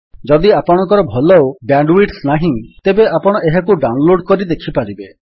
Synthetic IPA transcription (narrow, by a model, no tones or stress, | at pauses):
d͡ʒɔd̪iapɔɽ̃ɔ̃ŋkɔɾɔbʱɔlɔobjaɳɖwiʈsnaɦĩt̪ebeʔapɔɽ̃ɔeɦakuɖaw̃nloɽkɔɾid̪ekʰipaɾibe